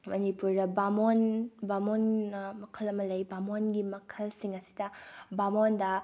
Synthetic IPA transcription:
mɐnipuɾdɐbamonbamonːɐmɐkʰɐlɐmɐlɐjbamonɡimɐkʰɐlsiŋɐsi̥dɐbamondɐ

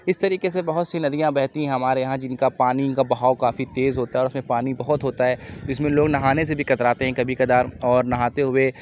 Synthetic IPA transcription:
ɪst̪ɐɾiːkesebɐɦʊt̪sinɐd̪ijãbɛɦt̪ĩɦɛ̃ɦɐmaːɾejɐɦãd͡ʒɪnkapaːnikabɐɦaːʊkaːfit̪eːzɦoːt̪aɦɛɔːɾʊsmẽpaːnibɐɦʊt̪ɦoːt̪aɦɛːd͡ʒɪs̬mẽloːɡnɐɦaːnes̬ebʱikɐt̪ɾaːt̪eɦɛ̃kɐbʱikɐd̪aːɾɔːɾnɐɦaːt̪eɦʊe

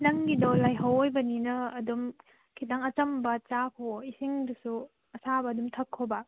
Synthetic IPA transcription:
nɐŋɡidɔlajɦɐwojbɐninɐːdum | kʰitaŋɐt͡ʃɐmbɐt͡ʃakʰoisiŋdɯsu | ɐsabɐɐdumtʰɐkʰːobɐ

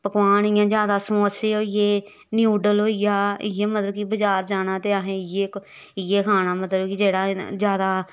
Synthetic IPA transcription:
pəkʋaːɳ̃ɪːãːd͡ʒjaːd̪aːsəmoːseːɦoːijeː | njuːɖəlɦoːijaːɪ̰ːeːmət̪ləbkibəd͡ʒaːɾd͡ʒaːnãːt̪eːəɦẽːɪjeːk | ɪːeːkʰaːñaːmət̪ləbkid͡ʒeːɽaːd͡ʒjaːd̪aː

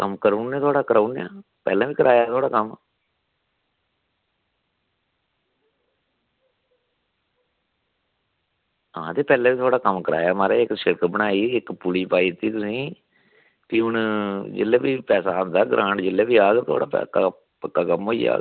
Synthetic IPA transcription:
kəmkəɾunːẽːt̪ʰoaːɽaːkəɾaːna̰ː | pɛ̰ːlãːʋiːkəɾaːjaːt̪ʰwaːɽaːkəm | ãːt̪eːpɛːlãːʋiːt̪ʰwaːɽaːkəmkəɾa̰ːjaːmaːɾeːɪksɪɽkbəɽ̃aːiːɪkpʊliːpaːiːɪt̪ːiːt̪ʊsĩː | t̪iːʊnd͡ʒḛleːʋiːpɛːsaːnd̪aːɡɾʔãːɳʈd͡ʒɪlːeːbiːaːɡt̪ʰʊa̰ːɽaːpɛ̰ka | pəkːaːkəmɦoːḭːa̰ː

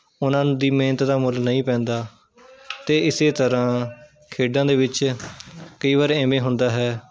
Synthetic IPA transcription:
ʊnãːd̪iːmẽːnət̪d̪aːmʊlnəĩːpɛ̃ːnd̪aː | t̪eːɪseːt̪əɾãː | kʰeːɖãːd̪eːʋɪt͡ʃ | kəiːʋaːɾɛ̃ːmẽːɦʊnd̪aːɦɛː

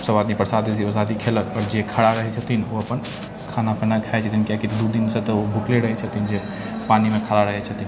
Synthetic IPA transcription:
səbad̪nipɾəsad̪id̪iəsad̪ikʰeləkɔːɾd͡ʒekʰəɽaɾəɦɛt͡ʃʰət̪ʰinoəpən | kʰanapʰənakʰaɛt͡ʃʰət̪ʰinkakit̪d̪ud̪insət̪ɔobʱukleɾəɦɛt͡ʃʰət̪ind͡ʒe | panimekʰaɾaɾəɦɛt͡ʃʰət̪in

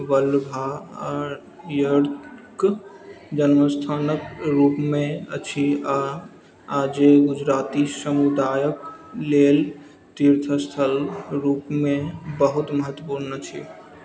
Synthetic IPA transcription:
ʋəlbʱaɔɾ | jəɽk | d͡ʒənməst̪ʰaːnəkɾupmẽət͡ʃʰia | ad͡ʒeɡud͡ʒɾat̪isəmud̪aːjəklel | t̪iɾt̪ʰəst̪ʰəlɾupmẽbəɦut̪məɦət̪ːəpuɾnət͡ʃʰḭ

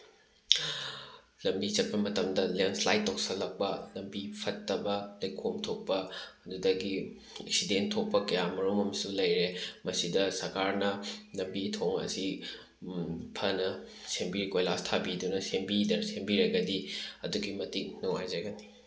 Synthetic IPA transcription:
lɐmbit͡ʃɐt̚pɐmɐtɐmdɐleŋslajtːok̚sɐlɐk̚pɐlɐmbipʰɐtːɐbɐlɐjkʰomtʰok̚pɐːdudɐɡi | ḛk̚sidentʰok̚pɐkɐjamɐɾumɐmɐsulɐjɾemɐsidɐsɐɾkaɾnɐlɐmbitʰoŋɐ̰si | pʰɐnɐ | sembiɾikojlastʰabidunɐsembidɐsembiɾɐɡɐdiɐduɡimɐtiŋnuŋajd͡ʒɐɡɐni

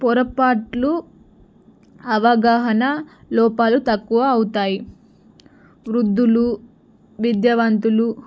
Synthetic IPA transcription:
pɔɾɐpaːʈlu | ɐʋɐɡaːɦɐnɐ | lɔːpaːlut̪ɐkːuʋɐːwut̪aːji | ʋɾud̪ːulu | ʋid̪jɐʋɐnt̪ulu

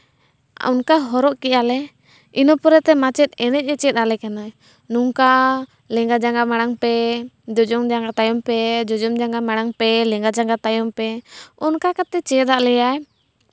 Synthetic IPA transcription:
ɔ̰nkaɦɔɾɔʔkɛʔalɛ | inɔpɔɾɛt̪ɛmat͡ʃɛt̪̚ɛnɛc̚ˀɛt͡ʃɛt̪̚ˀalɛkana | nuŋka | lɛŋɡad͡ʒaŋɡamaɽ̃aŋpɛ | d͡ʒɔd͡ʒɔŋd͡ʒaŋɡat̪ajɔmpɛd͡ʒɔd͡ʒɔmd͡ʒaŋɡamaɽ̃aŋpɛlɛŋɡad͡ʒaŋɡat̪ajɔmpɛɔnkakat̪ɛt͡ʃɛd̪aʔlɛjaj

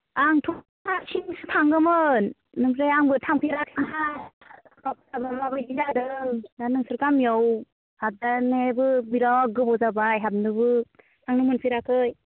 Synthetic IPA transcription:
aŋtʰɔ | asʰinsɯtʰaŋɡɯmɯn | nɯmɾejaŋbɯtʰaŋpʰiɾakʰinɦa | kap̚sabamabajbizadɯŋdanɯŋsɯɾkamjɔw | hap̚danebɯbiɾɔk̚ɡɯbɔzabajɦap̚nɯbɯ | tʰaŋnɯmɯnpʰiɾakʰɯj

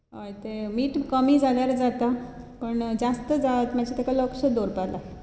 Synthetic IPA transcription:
ɦojt̪emiːʈkəmiːd͡zaljaɾd͡zat̪a | pəɳd͡zast̪əd͡zat̪mat͡ɕat̪ʰakaləkɕəd̪oɾpalaɦe

